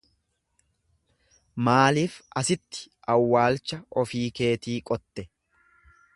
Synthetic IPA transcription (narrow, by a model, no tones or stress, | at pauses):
maːliːfɐsɪt̪ːɪ̥ʔɐwːaːlt͡ʃːɐɔfiːke̞ːt̪iːkʼɔt̪ːɛ